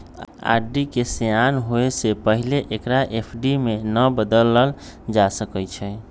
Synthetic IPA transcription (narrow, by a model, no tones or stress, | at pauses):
a̰ɖikesejanɦoesepəɦileʔekɾaʔepʰɖimenəbəd̪ələl | d͡ʒasəkət͡ʃʰɛ